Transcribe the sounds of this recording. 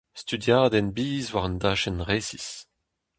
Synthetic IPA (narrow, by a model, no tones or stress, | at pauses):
st̪yd̪jaːd̪ɛnbiːzwaʁənd̪aːʃɛnʁeːsis